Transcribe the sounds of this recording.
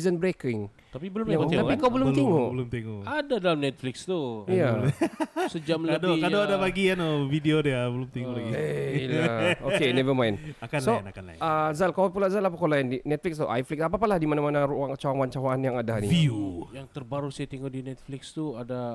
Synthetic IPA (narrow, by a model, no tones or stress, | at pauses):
zənbəɾekɪŋ | t̪apibəlʊmaŋt̪apikawbəlʊmt̪eŋobəlʊmt̪eŋoadadalamnɛt̪̚flɪkst̪ujja | səd͡ʒamlkadokadoadabaɡianovidiodiabəlʊmt̪iŋulaɡilaokenɛvəmãjnakanslonakanla̰əzalkawpulazalapakolajəndinɛt̪̚flɪkst̪uʔa̰jflɪksapapalahdimanamanauaŋt͡ʃawaŋwaɲt͡ʃawaanjaŋadaniviujaŋt̪ərbaɾusaat̪iŋudinɛt̪̚flɪkst̪uada